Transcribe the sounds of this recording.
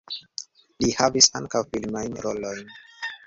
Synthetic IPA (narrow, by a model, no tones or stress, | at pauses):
lihavisa̰ŋkawfilmajnɾʔolojn